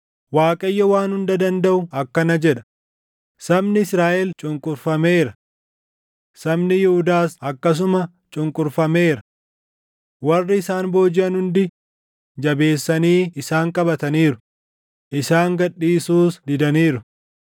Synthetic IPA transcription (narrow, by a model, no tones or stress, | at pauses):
waːkʼɐjːɐwaːnhʊnd̪ɐd̪ɐnd̪ɐʔʊɐkːɐnɐd͡ʒɛᶑɐ̥ | sɐbnɪɪsɾaːʔɛlt͡ʃʼʊŋkʼʊɾfɐme̞ːɾɐ | sɐbnɪjɛhʊd̪aːsɐkːɐs̬ʊmɐ | t͡ʃʼʊŋkʼʊɾfɐme̞ːɾɐ | wɐrːɪɪsaːnbo̞ːd͡ʒɪɐnhʊnd̪ɪ | d͡ʒɐbe̞ːsːɐniːɪsaːŋkʼɐbɐt̪ɐniːɾʊ | ʔɪsaːŋɡɐᶑːiːsuːsd̪ɪd̪ɐniːɾʊ